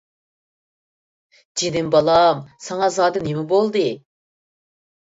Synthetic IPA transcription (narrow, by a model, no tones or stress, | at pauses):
d͡ʒid̪ɪmbɑlˠɑmsɑŋɑzɑːd̪ɨnemɪbolˠd̪ɨ